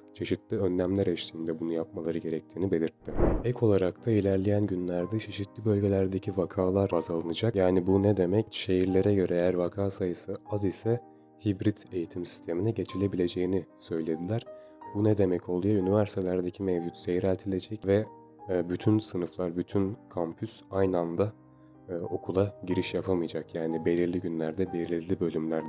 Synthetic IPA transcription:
t͡ʃʰe̞ʃit̪lʲiønːæmlʲæɾɛʃt̪ʰiːnd̪ɛbunujap̚malˠaɾɯɟe̞ɾɛc̚t̪ʰiːnibe̞lʲiɾt̪ʰːɪɛkʰo̞lˠaɾakt̪ʰailʲæɾlʲejænɟynlʲæɾd̪ɛt͡ʃʰe̞ʃit̪lʲibø̞lʲɟe̞lʲæɾd̪e̞cʰivakʰaːlˠaɾazalˠɯnɯd͡ʒakjaːnibunɛd̪e̞mɛcʃe̞jiɾlʲe̞ɾɛɟø̞ɾɛejæɾvakʰaːsajɯsɯazisɛ | hibɾit̪e̞jit̪ʰimsi̥st̪ʰe̞minɛɟe̞t͡ʃʰilʲe̞bilʲe̞d͡ʒe̞jinisø̞jlʲe̞d̪ilʲæɾ̥ | bunɛd̪e̞mɛcʰo̞lˠujaynivæɾsi̥t̪ʰelʲæɾd̪e̞cʰimɛvd͡ʒut̪se̞jɾælʲt̪ʰilʲe̞d͡ʒɛcvɛ | byt̪ʰynsɯnɯflˠaɾbyt̪ʰynkʰampʰysajnand̪a | ɯːo̞kʰulˠaɟiɾiʃjapʰamɯjd͡ʒakjaːnibe̞lʲiɾlʲiɟynlʲæɾd̪ɛbelʲiɾlʲiɾlʲibø̞lʲymlʲæɾd̪

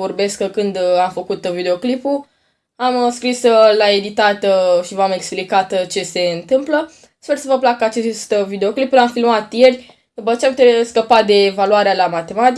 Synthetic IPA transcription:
o̞rbe̞skəkɨnd̪amfəkut̪vid̪eo̞klipu | amskɾislae̞d̪it̪at̪ʃivame̞ksplikat̪t͡ʃe̞se̞ɨnt̪ɨmplə | spe̞rsəvəplak̚ːəat͡ʃest̪vid̪e̞o̞klipulamfilmat̪je̞rʲ | d̪upət͡ʃeamput̪eskəpat̪̚d̪e̞ːvaluaɾealamat̪e̞mat̪i

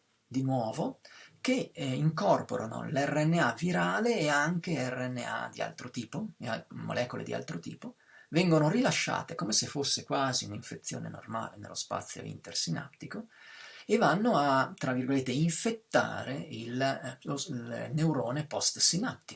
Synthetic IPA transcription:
d̪inwɔːvokeiŋkɔrpoɾʔano̰lɛrːeɛnːeaviɾaːleːaŋk̟eɛrːeɛnːḛa̰d̪ḭa̰lt̪ɾot̪iːpoamo̰lʔɛːkolḛd̪iʔa̰lt̪ɾot̪ḭːpo | vɛŋɡonorilaʃːa̰ːt̪ekomesefosːekwaːziuniɱfet̪sːjoːnḛno̰rma̰ːlenḛlːospa̰t̪sːjo̰ḭnt̪ersina̰pt̪ːikoevanːoat̪ːɾavːirɡolet̪ːeiɱfet̪ːa̰ːɾeilolnewɾoːnepɔst̪sinap̚t̪ːi

